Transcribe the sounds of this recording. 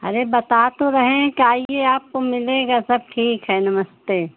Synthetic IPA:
ɐ̰ɾebɐt̪aːt̪oɾɐɦẽkaːieaːp̚komɪleːɡasɐb̚ʈʰiːkɦɛnɐməst̪eː

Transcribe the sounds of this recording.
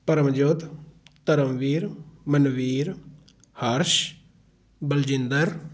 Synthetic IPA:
pəɾəmd͡ʒot̪t̪əɾəmʋiːɾmənʋiːɾ | həɾʃ | bəld͡ʒɪnd̪əɾ

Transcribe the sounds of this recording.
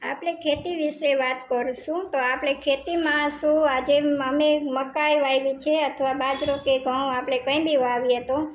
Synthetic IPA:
a̰pɽ̃ekʰet̪iʋiʃeʋat̪kəɾuʃũt̪oapɽ̃ekʰet̪imãʃũad͡ʒeəmeməkajʋajʋit͡ʃʰeət̪ʰəʋabad͡ʒɾokeɡʱə̃oapɽ̃ekə̃ĩbʱiʋaʋiət̪õ

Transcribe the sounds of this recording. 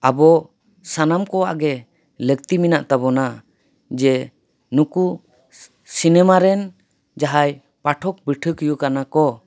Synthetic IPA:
abɔ | sanamkɔwaʔɡɛ | lək̚t̪iminaʔt̪abɔna | d͡ʒɛ | nuku | sinɛmaɾɛn | d͡ʒaɦaj | paʈʰɔk̚bəʈʰəkujukanakɔ

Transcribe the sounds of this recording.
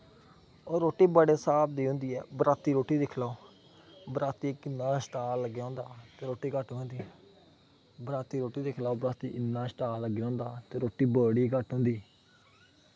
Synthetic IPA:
ɔːɾoːʈːiːbəɽeːsaːbd̪iːɦʊ̃nd̪iːɛ̰ːbəɾaːt̪iːɾoːʈiːd̪ɪkʰlaːoː | bəɾaːt̪iːkɪnːaːsʈaːlːəɡjãːnd̪aːt̪eːɾoːʈːiːkəʈɦõːnd̪iːɛ | bəɾaːt̪iːɾoːʈiːd̪ɪkʰlaːoːbəɾaːt̪iːʔɪnːaːsʈaːlləɡjãːnd̪aːt̪eːɾoːʈiːbəɽiːkəʈɦʊ̃nd̪iː

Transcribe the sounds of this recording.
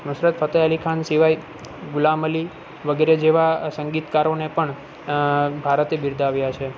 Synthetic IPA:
mʊʃɾət̪fʰət̪əəlikʰansiʋaj | ɡulaməli | ʋəɡeɾed͡ʒeʋasəŋɡit̪kaɾonepəɳ | bʱaɾət̪ebiɾd̪ʱaʋjat͡ʃʰe

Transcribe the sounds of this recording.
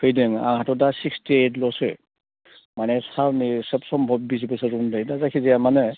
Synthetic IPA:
kʰɯjdeŋa̰ŋhatɔdasikstietlɔsɯ | manɛsawnisɛpsɔmbʱɔbːisibɯsaɾundajdazakʰiziamane

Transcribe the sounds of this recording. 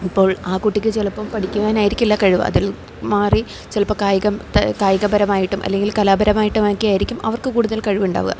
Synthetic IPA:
ipːo̞ːɭaːkuʈːikʲːɨt͡ɕelɐpːɐmpɐʈikʲːuɣaːnaːjiɾikʲːilːɐkɐɻuʋɐ̰ɐ̰ðil | maːri | t͡ɕelɐpːɐkaːjɐɣɐmt̪ɐkaːjɐɣɐbɐɾɐmaːjiʈːumʔɐ̰lːe̞ŋɡilkɐlaːbɐɾɐmaːjiʈːuʋaːkːijaːjiɾikʲːumɐʋɐrkɨkuːɽuðɐlkɐɻuʋuɳɖa̰ːʋɣɐ̰

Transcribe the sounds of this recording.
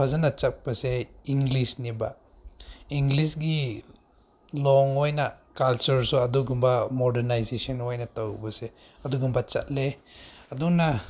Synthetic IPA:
pʰazanat͡ʃak̚paseiŋɡlisniba̰ | iŋɡlisɡi | lɔŋɔjnakalt͡ʃuɾsɔaduɡumbamɔdenajsesɔnɔjnatawbase | ɐduɡumbat͡ʃa̰t̚leaduna

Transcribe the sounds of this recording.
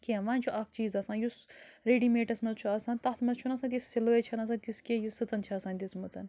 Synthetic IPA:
kʲeʋaːnt͡ʃʰuʔɐk̚ʰt͡ʃiːzɐsaːnjusɾeːɖimeːʈɐsmɐzt͡ʃʰuɐsaːnt̪ɐt̪ʰmɐzt͡ʃʰunɐsãːt̪̬ʲisːiləːt͡ʃʰɐnɐs̬ãnt̪iskejisɨt͡sɐnt͡ʃʰiɐsaːnt̪ʲismɨt͡sɐ̰n

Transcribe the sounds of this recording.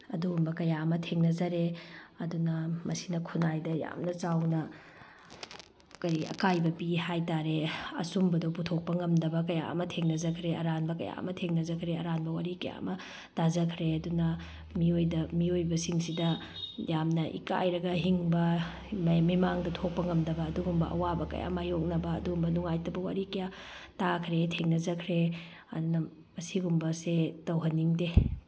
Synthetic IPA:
ɐdumbɐkɐjaɐmɐtʰeŋnɐzɐɾeɐdunɐmɐsinɐkʰunajdɐja̰mnɐt͡ʃawnɐ | kɐjɐ̰kajbɐpiɦajtaɾeɐ̰sumbɐdoputʰok̚pɐŋɐmdɐbɐkɐja̰ɐ̰mɐtʰeŋnɐzɐkʰɾeɐɾanbɐkɐja̰ɐ̰mɐtʰeŋnɐzɐkʰɾeɐɾanbɐwaɾikɐja̰ɐ̰mɐ | tʰazɐkʰɾeɐdunɐ | miojdɐmiojbɐsiŋsidɐ | jamnɐʔḭka̰jɾɐɡɐɦiŋbɐ | mimaŋdɐtʰok̚pɐŋɐmdɐbɐːduɡumbɐʔɐ̰wabɐkɐ̰ja̰majok̚nɐbɐ̰ːduɡumbɐnuŋajtɐbɐwa̰ɾikɐja | takʰɾetʰeŋnɐzɐkʰɾe | ɐ̰dunɐ | mɐsiɡumbɐsetɐwɦɐnːiŋde

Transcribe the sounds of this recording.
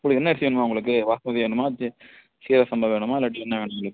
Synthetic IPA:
kːɐɭɯkːɛnːɐɛɾsɪʋeːɳːɯmaːʊŋɡɐɭɯk̬ːɯʋaːsɐmɐðɪʋeːɳɯmaː | siːɾɐsɐmbɐʋeːɳɯmaːɪlːɐʈːiɛnːɐʋeːɳɯmʊɡɐɭɯkː

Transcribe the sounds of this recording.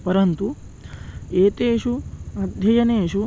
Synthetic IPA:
pɐɾɐnt̪u | eːt̪eːʂuɐd̪ʱjɐjɐneːʃu

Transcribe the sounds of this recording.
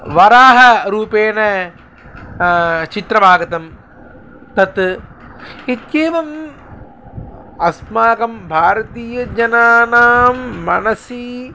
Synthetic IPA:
ʋɐɾaːɦɐɾuːpeːnɐ | t͡ʃit̪ɾɐbʱaːɡɐt̪ɐm | t̪ɐt̪ | it̪jeːʋɐm | ɐsmaːɡɐmbʱaːɾɐt̪iːjɐd͡ʒɐnaːnaːmːɐnɐsi

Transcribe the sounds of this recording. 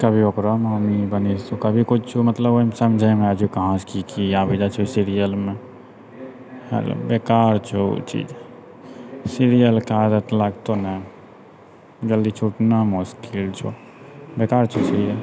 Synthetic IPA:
kəbʱiokɾəmamibənit̪ukəbʱikut͡ʃt͡ʃʰumət̪ləboimsəmd͡ʒʱəjmead͡ʒʰukəɦãt͡ʃkikiabəd͡ʒat͡ʃʰusiɾijəlme | hḛlo̰bekaɾt͡ʃʰṵt͡ʃḭd͡ʒ | siɾijəlkad̪ət̪laɡt̪onə | ɡəld̪it͡ʃʰuʈnamuskilt͡ʃʰo̰ | bekaɾt͡ʃʰut͡ʃʰi

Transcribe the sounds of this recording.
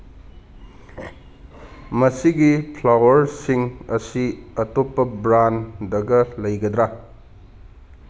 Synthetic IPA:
mɐsiɡipʰlawɐɾsiŋɐsiɐtopːɐbɾandɐɡɐlɐjɡɐd̪ɾa

